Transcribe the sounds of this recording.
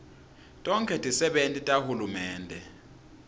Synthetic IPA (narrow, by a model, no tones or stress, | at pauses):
tʼɔŋkʼɛtʼisɛɓentʼitʼahulumɛːndʱɛ